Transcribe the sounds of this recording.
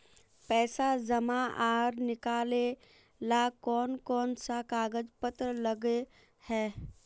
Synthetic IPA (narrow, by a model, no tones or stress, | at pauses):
pɛːsazəmãʔaːɾnɪkaːle | lakɔːnkɔːnsakaːɡəd͡ʒpət̪ɾələɡe | hɛː